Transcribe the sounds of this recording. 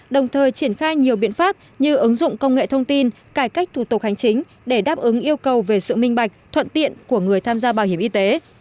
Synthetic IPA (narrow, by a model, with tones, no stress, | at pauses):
ɗə˨˩wŋ͡mt̪ʰəː˨˩jt͡ɕi˧˩ənxaː˧jɲi˨˩əwɓḭ˧˨ənfaː˦˥p̚ | ɲɨ˧ʔɨ˨˦ŋzʊ̰˧˨ŋ͡mkə˧wŋ͡mŋḛ˧˨t̪ʰə˧wŋ͡mt̪i˧n | kaː˧˩jka˦˥k̟̚t̪ʰu˧˩t̪ʊ˨˩k̚ha˨˩jŋ̟t͡ɕï˨˦ŋ̟ | ɗe˧˩ɗaː˦˥p̚ʔɨ˨˦ŋʔi˧əwkə˨˩wve˨˩sɨ̰˧˨mï˧ŋ̟ɓa˨˩jk̚t̪ʰwə̰˧˨nt̪ḭ˧˨ənku˧˩əŋɨ˨˩əjt̪ʰaː˧mzaː˧ɓaː˧˩whi˧˩əmʔi˧t̪e˨˦